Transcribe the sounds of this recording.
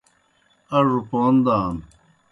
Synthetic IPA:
ɐʐupoːnd̪aːn

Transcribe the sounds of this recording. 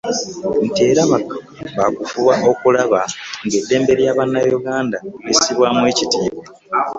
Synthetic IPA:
n̩teːɾaβakḁ | βakufuβaʔo̞kulaβaŋɡe̞dːe̞ːmbe̞ɾjaːβanːajuɡaːndaisiβwamwe̞ːcitiːβa

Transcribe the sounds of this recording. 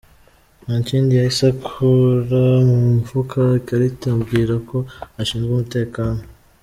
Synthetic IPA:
naːɲciːndijaisakʰuɾamumvukʰakaɾitumbɡiːɾako̞aʃiːnzɡumute̞ːkaːno

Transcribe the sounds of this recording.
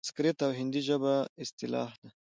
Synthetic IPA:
skɾet̪awɦɪnd̪iʒəbaɪst̪ɪlɑ̰ːhd̪a

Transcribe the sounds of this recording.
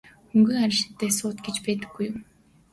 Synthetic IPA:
xɵŋɡɘ̆ŋaɾʲɪ̆ʃɪ̥̆t̪ːeːsʊːt̪ɡet͡ɕpæːt̪ɘ̆ɡ̥ːujʊm

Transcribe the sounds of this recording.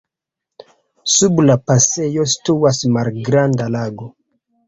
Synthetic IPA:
sublapase̞jo̞s̬i̥tuasmalɡɾandalaɡo

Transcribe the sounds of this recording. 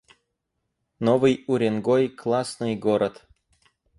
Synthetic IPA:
novɨjʊɾʲɪnɡojklˠasnɨjɡoɾət̪

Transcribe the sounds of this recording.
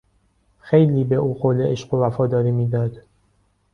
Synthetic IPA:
xejliːbe̞ʔuːqoleʔeʃɢo̞væfɒːd̪ɒːɾiːmiːd̪ɒːd̪̥

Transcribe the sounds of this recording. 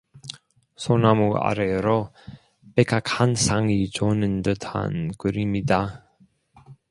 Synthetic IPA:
sʰonamua̰ɾeɾo | pekʰakhansʰaŋit͡ɕonɯndɯtʰa̰nkɯɾimɲida

